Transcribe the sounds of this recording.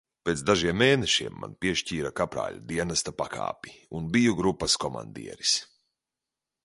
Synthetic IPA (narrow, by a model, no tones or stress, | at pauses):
peːt̪sd̪aʒiɛmːeːneʃiɛmːa̰npiɛʃciːɾakapɾa̰ːʎʲṵd̪iɛnast̪apaka̰ːpi̥unbijuɡɾupːɐskɔma̰nd̪ḭɛɾis